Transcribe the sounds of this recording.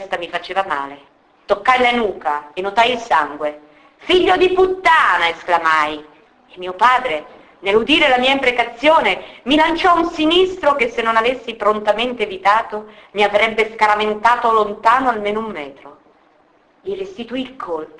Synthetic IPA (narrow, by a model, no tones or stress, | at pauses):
st̪amifat͡ʃeːvama̰ːle | t̪okːajlanuːkaenːot̪ajilsaŋɡwe | fiʎːod̪iput̪ːaːnaesklamaj | emːiːopaːd̪ɾe | nelːud̪iːɾelamiːaimpɾekat̪sːjoːnemilant͡ʃɔunsinist̪ɾokesːenːonavesːipɾont̪ament̪eːvit̪aːt̪omiavɾɛbːeskaɾament̪aːt̪olont̪aːnoalmeːnoumːɛːt̪ɾo | lirest̪it̪uilkʰol